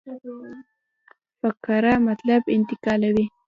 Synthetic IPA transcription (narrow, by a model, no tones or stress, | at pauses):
pakaɾɑmat̪labɪnt̪ɪkɑlawi